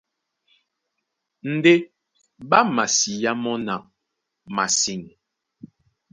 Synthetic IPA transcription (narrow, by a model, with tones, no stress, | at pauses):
n̩˨de˦ | ba˦ma˨si˨ja˦mɔ˦na˨ | ma˨si˨ŋ